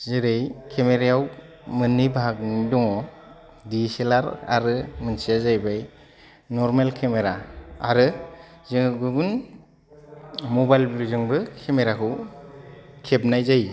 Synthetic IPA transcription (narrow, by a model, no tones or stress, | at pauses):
zɯɾejkʰemeɾajaw | mɯnːibʱakdɔŋɔ | diselaɾa̰ɾɯmɯnsijazajbaj | nɔɾmelkʰemeɾaaɾɯ | zɯŋɡubɯn | mɔbajlbɾuzɯŋbɯkʰemeɾakʰɯw | kʰep̚najzaj